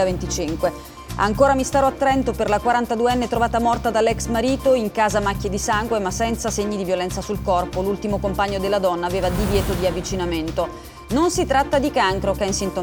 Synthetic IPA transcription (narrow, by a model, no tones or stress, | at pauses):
avent̪it͡ʃiŋkwe | a̰ŋkoːɾamist̪aːɾoat̪ːɾɛnt̪operlakwaɾant̪ad̪ueɛnːet̪ɾovaːt̪amɔrt̪ad̪alːɛksmaɾiːt̪oiŋkaːzamakʲːjed̪isaŋɡwemasːɛnt̪saseɲːid̪ivjolɛnt̪sasulkɔrpolult̪imokompaɲːod̪elːad̪ɔnːaːveːvad̪ivjɛːt̪od̪iavːit͡ʃinament̪o | nonsit̪ɾat̪ːad̪ikaŋkɾokainsint̪o